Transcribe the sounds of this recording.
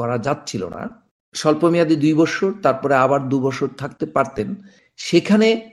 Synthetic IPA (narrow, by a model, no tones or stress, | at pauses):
ɔɾad͡ʑatːt͡ɕʰilo̰na̰ | ʃɔlpomijad̪id̪ujbɔʃoɾt̪aɾpɔɾeabaɾd̪ubɔʃoɾt̪ʰakt̪epaɾt̪en | ʃekʰane